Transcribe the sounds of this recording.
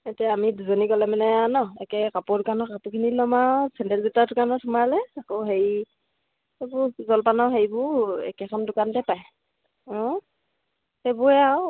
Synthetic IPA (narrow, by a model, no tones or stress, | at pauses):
etijaamiduzɔnikɔlɛmanɛanɔɛkɛkapʊdʊkanɔkapukʰinilɔmasʰɛndɛlbitadʊkanɔtʰumalɛakɔɦei | ebʊzɔlpanɔɦejbʊɛ̰kɛkʰɔndʊkantɛpaj | ɔ̃ | hejbʊɛaw